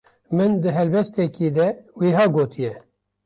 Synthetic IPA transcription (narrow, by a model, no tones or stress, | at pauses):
mɨnd̪ɨɦɛlbɛst̪ɛkiːd̪ɛweːɦɑːɡoːt̪ʰijɛ